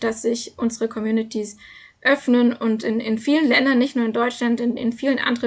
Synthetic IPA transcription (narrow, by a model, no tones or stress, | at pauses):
d̥asz̥ɪçʔʊnzəʁəkʰɔmjuːnɪtʰis | ʔœfnənʊntɪnɪnfiːlənlɛndɐnːɪçtnuːɐɪndɔʏt͡ʃlantɪnɪ̰nfiːlənʔa̰ndəʁə